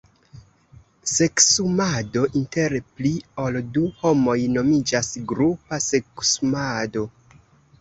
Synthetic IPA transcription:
se̞ksumado̞ʔinte̞ɾpliolduho̞mo̞jno̞mid͡ʒasɡɾupase̞ksumado̞

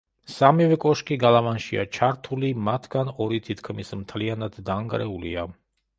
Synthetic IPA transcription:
samivɛkʼɔʃkʼiɡalˠavanʃia̰t͡ʃʰaɾt̪ʰulimat̪ʰɡanɔɾit̪ʰit̪ʰkʰmismt̪ʰlianad̪ːaŋɡʼɾɛulḭa

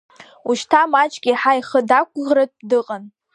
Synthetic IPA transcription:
uʃtʰamat͡ʃʼɡʲiħaiχədakʷʰʼʁrɨt̚ʼdɨqʼan

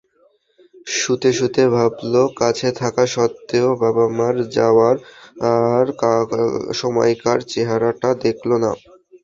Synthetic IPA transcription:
ʃut̪eʃut̪ebʱablokat͡ɕʰet̪ʰakaʃɔt̪ːeobabamaɾd͡ʑaoaɾaɾkaʃɔmɔ̰jkaɾt͡ɕeɦaɾaʈad̪ekʰlona̰

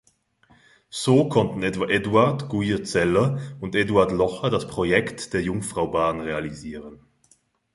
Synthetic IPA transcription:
z̥oːkʰɔntn̩ɛtv̥aʔɛduaɐtɡ̥ujət͡sɛlɐʊnteduaɐtlɔχɐdaspʁ̥ojɛktd̥eːɐjʊŋfʁ̥aʊbaːnʁealiziːʁən

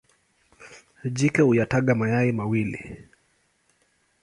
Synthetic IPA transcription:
d͡ʒikɛhujataɠamajaimawilḭ

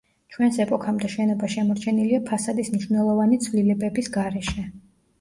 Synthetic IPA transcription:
t͡ʃʰwɛnsɛpʼɔkʰamd̪aʃɛnɔbaʃɛmɔɾt͡ʃʰɛniliapʰasad̪ismniʃvnɛlˠɔvanit̪sʰvlilɛbɛbisɡaɾɛʃɛ

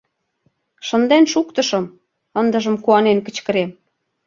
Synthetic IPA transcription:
ʃə̆nd̪enʃukt̪ɤ̆ʃɤ̆m | ənd̪ə̆ʒə̆mkuɑnenkə̆t͡ɕkə̆ɾem

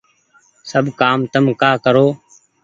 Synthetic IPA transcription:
səbkaːmt̪əmkaːkəɾoː

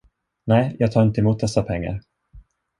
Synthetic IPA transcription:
nɛːjʔɑːɡt̪ʰɑːɾɪnt̪əɪmuːt̪̚d̪ɛsːapʰɛŋːa̰ɾ

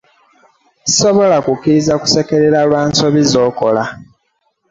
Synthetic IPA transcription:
zi̥so̞βo̞lakukːiɾizaku̥se̞ke̞ɾeɾalwaːnso̞βizo̞ːko̞la

